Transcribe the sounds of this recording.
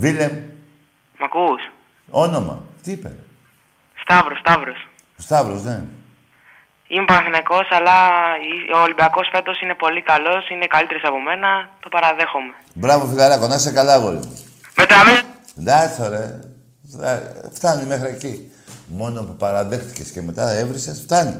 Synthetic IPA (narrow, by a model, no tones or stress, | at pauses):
vilem | mɐkus | o̞no̞mɐ̰t̪iipḛ | st̪ɐvɾost̪ɐvɾos | st̪ɐvɾosne̞ | imepɐnɐθinɐko̞sɐlɐioːlibiɐko̞sfe̞t̪o̞sine̞po̞likɐlo̞sine̞kɐlit̪eɾosɐpo̞me̞nɐt̪o̞pɐɾɐðe̞xome̞ | bɾɐvofilɐlɐkonɐsekɐlɐɣo̰lḭ | met̪ɐme | d̪ɐθoɾe | ft̪ɐnime̞xɾieci | mo̞nopupɐɾɐðext̪i̥ce̞sce̞me̞t̪ɐevɾisesft̪ɐnḭ